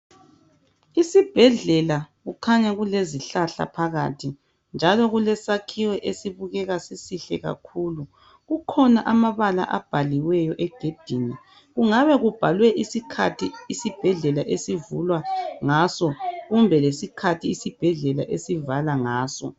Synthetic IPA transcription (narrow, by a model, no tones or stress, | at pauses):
isib̥ʱɛɮɛlaɣukʰaɲaɣuleziɬaɬa̰pʰaɣa̰tʰi | nd͡ʒʱalɔɣulɛsakʰiwɛʔesiβuɣɛɣasisiɬɛɣa̰kʰulu | ɣukʰɔnaʔamaβala̰ʔab̥ʱaliwɛjɔʔɛɡ̥ʱed̥ʱini | ɣuŋaβɛɣub̥ʱalwɛʔisikʰatʰiːsib̥ʱɛɮɛlaʔesivulwaŋasɔɣumbʱɛlesikʰatʰiːsib̥ʱɛɮɛlaʔesivalaŋaːsɔ̰